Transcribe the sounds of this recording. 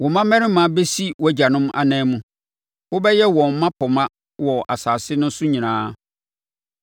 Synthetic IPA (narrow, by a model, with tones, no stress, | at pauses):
wɔ̃˨mã˦mɛ̃˦ɾɪ̃˦mã˨˦be˦si˦wɔ˦˨d͡ʑa˨nʊ̃˦m˦a̰˨nɛ̃ː˦mũ˦ | wʊ˦bɛ˦jɛ˦wɔ̃˨m˦mã˦pʰɔ˨mã˦ | wɔ˨ʔa̰˨saː˨sɪ˦nʊ̃˦n̩˦sʊ˦ɲĩ˨nãː˦